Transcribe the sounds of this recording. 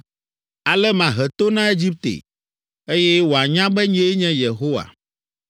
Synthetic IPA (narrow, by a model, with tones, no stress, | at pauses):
a˨lɛ˦mã˨ɦɛ˨t̪o˦nã˦e˦d͡ʑi˦p̚t̪ḛ˨ | e˦jɛ˦wo˨a˨ɲã˦bɛ˦ɲ˦e˦ɲɛ̃˦je˨ɦo˦wa̰˨